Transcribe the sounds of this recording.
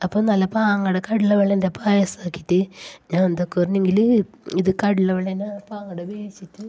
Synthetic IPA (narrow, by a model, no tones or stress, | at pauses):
ɐpːoːnɐlːɐpaːŋːɐɽekɐɽiɭːɐʋeɭːɐndebaːjɐsaːkːitːɨɲaːnend̪okːɨɐrɐɲːeŋɡil | iðɨkɐɽiɭːɐʋeɭɐnpaːŋːɐɽebeeɕitʲːu